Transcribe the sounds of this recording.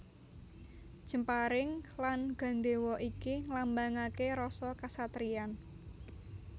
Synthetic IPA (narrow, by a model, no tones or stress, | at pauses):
d̥ʒ̥ə̤mpaɾɪŋlanɡ̥a̤nɖ̪e̤wɔʔikiŋlambaŋakeɾɔsɔkasat̪ɾian